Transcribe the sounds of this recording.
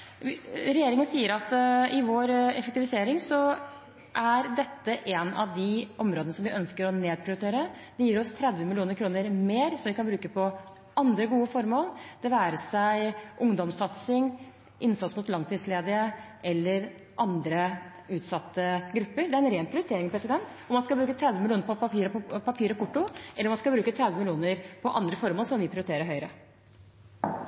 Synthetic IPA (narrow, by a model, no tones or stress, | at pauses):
ɾɛjeːɾɪŋənsiːəɾɑt̪ɪʋoɾɛ̰fək̚t̪ɪʋɪseːɾɪŋsɔ | ʔæɾd̪ɛt̪ːəʔenɑ̰ʋd̪ɪʔɔmɾoːd̪ənəsɔmʋɪʔœnskəɾɔneːd̪̚pʰɾɪʊɾɪt̪ʰeːɾəd̪ɛjiːɾɔst̪ʰɾɛd̪ʋəmɪlɪuːnəɾkʰɾuːnəɾmeːɾsɔʋɪkʰɑnbɾʉːkəpʰɔ | ɑnd̪ɾəɡuːəfɔɾmoːld̪̥ɛʋæːɾəsæɪʔʊŋd̪ɔmsɑt̪sɪŋ | ʔɪnsɑt̪smʊt̪lɑŋt̪iːsleːd̪ɪəʔɛlːəɾ | ʔɑnd̪ɾə | ʉːt̪sɑt̪ːəɡɾʉpːəɾd̪ɛæɾɛnɾeːnpʰɾɪʊɾɪt̪eːɾɪŋpʰɾɛsɪd̪ɛnt̪ | ɔmɑnskɑlbɾʉːkət̪ʰɾɛd̪ʋəmɪluːnəɾpɔpɑpʰiːɾpɑpʰiːɾɔkʊʈːʊʔɛlːɾɔmɑnskɑbɾʉːkət̪ʰɾɛd̪ʋəmɪljuːnəɾpʰɔʔɑnd̪ɾəfɔɾmoːlsɔmʋɪpʰɾɪʊɾɪt̪eːɾəɾɦœʏəɾə